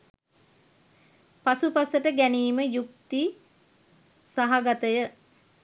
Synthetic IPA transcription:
pasupasəʈəɡæniːməjukt̪i | saɦaɡat̪əjə

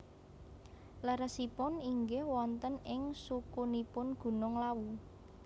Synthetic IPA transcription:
laɾəsipʊniŋɡehwɔnt̪ənɪŋsukunipʊnɡ̥ṳnʊŋlawu

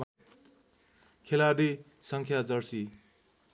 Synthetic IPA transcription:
kʰelaɾi | sʌŋkʰjad͡zʌrsi

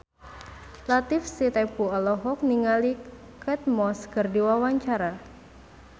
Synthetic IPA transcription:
lat̪ɪfsit̪ɛpuɔlɔɦɔk̚niŋali | kɛt̪̚mɔskərdiwawaɲt͡ʃaɾa

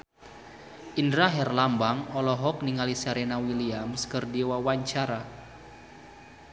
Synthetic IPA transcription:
ʔindɾaɦɛrlambaŋɔlɔɦɔk̚niŋalisaɾenawiliamskərdiwawaɲt͡ʃaɾa

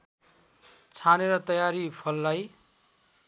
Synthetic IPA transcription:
t͡sʰaneɾʌt̪ʌjaɾipʰʌlːaj

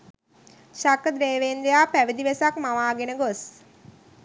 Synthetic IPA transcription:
ʃakəd̪ɾeːʋend̪ejaːpæʋid̪iʋesakmaʋaːɡenəɡos

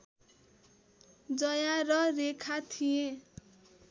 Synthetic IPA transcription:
d͡zʌjarʌrekʰat̪ʰije

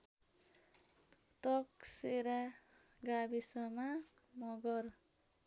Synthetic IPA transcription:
t̪ʌkseɾa | ɡabisʌma | mʌɡʌɾ

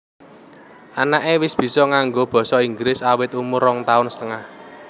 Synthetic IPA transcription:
ʔanaʔewɪsb̥i̤sɔŋaŋɡob̥ɔ̤sɔiŋɡlɪsawɪt̪umʊrɔŋt̪aʊnsə̥t̪əŋah

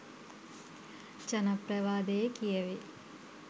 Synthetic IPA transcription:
t͡ʃɐnɐpɾɐʋaːd̪ejkijɐʋe

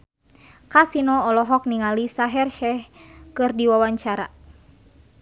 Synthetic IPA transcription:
kasinɔːlɔɦɔk̚niŋalisaɦɛrʃɛhkɨrdiwawaɲt͡ʃaɾa

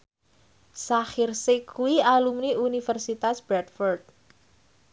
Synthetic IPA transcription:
saxirsɪkuwialumniunifərsit̪asb̥ɾɛt̪fɔrd̪̚

